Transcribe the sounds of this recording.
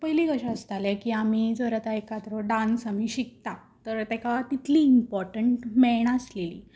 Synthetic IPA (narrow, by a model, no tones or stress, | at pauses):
pəjliɡəɕaəst̪alɛkiːamiːd͡zəɾət̪aekat̪ɾoɖãnsamiːɕik̚t̪a | t̪əɾt̪ɛkaʋat̪it̪ʰliːmpɔɾʈəɳʈmɛɳ̃əslelḭː